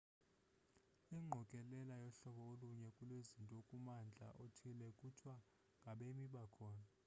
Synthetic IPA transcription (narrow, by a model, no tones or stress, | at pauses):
iŋ͡ǃʱɔkʼɛlɛlajɔɬɔɓɔoluɲɛkʼulwezintʼɔkʼumand͡ɮʱa̰ʔotʰilɛkʼutʰwa | ŋɡʱaɓemiɓakʰɔːna